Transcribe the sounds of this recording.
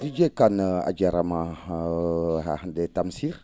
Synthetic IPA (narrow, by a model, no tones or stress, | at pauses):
did͡ʒekana̰d͡ʒaɾama | ɦa̰hdetamsiɾ